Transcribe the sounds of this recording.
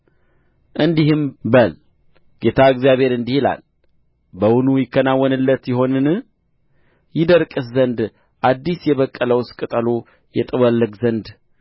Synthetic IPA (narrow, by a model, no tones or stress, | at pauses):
ʔɨnd̪iɦɨmbəl | ɡ̥e̞t̪ʰaɨɡzjaβhe̞ɾɨnd̪ihila̰l | bəwʊnujɪkːənawːənɨlːət̪jɪɦo̞nɨn | jɪd̪əɾkʼɨszənd̪ | ʔad̪ːisjɛβəkʼːələwskʼɨt̪ʼəlo | jɛt̪ʼɨwəlːəɡzənd̪